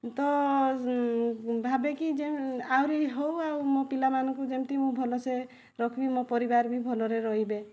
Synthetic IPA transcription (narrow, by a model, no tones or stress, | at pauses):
t̪ɔ | bʱabekid͡ʒeawɾiɦowawmopilamanɔŋkud͡ʒemt̪imũbʱɔlɔse | ɾɔkʰbimopɔɾibaɾbibʱɔlɔɾeɾɔɦibe